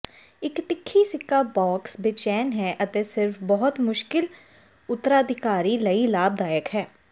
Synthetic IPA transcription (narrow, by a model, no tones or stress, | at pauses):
ɪkt̪ɪkʰːiːsɪkːaːbɔːksbɪt͡ʃɛːnɦɛːʔət̪eːsɪɾfbɔɦʊt̪mʊʃkɪl | ʊt̪ːəɾaːəd̪ʱɪkaːɾiːləiːlaːb̚d̪aːjəkɦɛː